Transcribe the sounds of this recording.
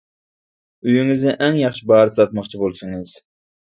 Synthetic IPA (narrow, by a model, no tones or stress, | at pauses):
yjyŋɪznɪʔɛŋjɑχʃibɑːɾɨsɑt̪mɑχt͡ʃʰibolˠsɨŋɨz̥